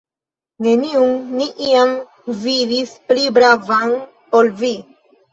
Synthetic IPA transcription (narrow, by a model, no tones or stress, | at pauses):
ne̞niunniʔiam | vidisplibɾavan | polvi